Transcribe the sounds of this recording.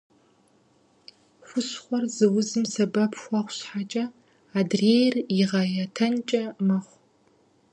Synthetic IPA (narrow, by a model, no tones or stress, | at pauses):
χʷʊɕχʷɔrzɨwʊzɨmsɐbɐpʰxʷɑχʷɕħat͡ʃʼɐ | aːdreːjrjɪʁɐjɐtʰɐnt͡ʃʼɐmɐχʷ